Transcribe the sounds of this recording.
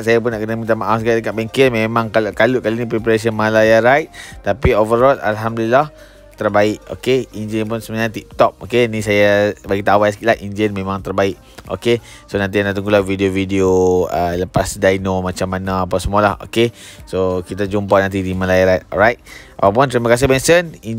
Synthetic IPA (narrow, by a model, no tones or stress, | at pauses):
ʔsajap̬ʊnːaʔkənəmĩnt̪amaʔafsɡaʔdəkaʔ̪̚baŋkɛnmẽmãŋkalʔkaluʔkalinipɾepaɾas̬iənmalajaɾajt̪̚t̪apiovəɾɔlʔa̰lɦamdulilah | t̪ərbaɪʔo̰keind͡ʒənp̬ʊnsəməɲãt̪ip̚t̪ɔp̚okenĩsajabaɡit̪awajsəkilaʔind͡ʒənmẽmãŋt̪ərbaɪʔ | o̰ke | sonãnt̪̬ianaʔt̪uŋɡulahvidiovideoələpasdajnomat͡ʃamːanãapawsəmualaho̰ke | sokit̪ad͡ʒumpanãnt̪̬idimãlajaɾajt̪̚ɔ̰lɾajt̪̚ʔa̰pawp̬unt̪ɾimakas̬ehbɛnsəni